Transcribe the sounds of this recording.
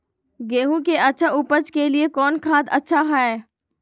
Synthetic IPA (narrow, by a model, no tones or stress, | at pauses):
ɡeːɦũkeʔɐtːʃʰaʔupəd͡ʒkeliekɔːnkʰãːd̪ɐtːʃʰaɦɛː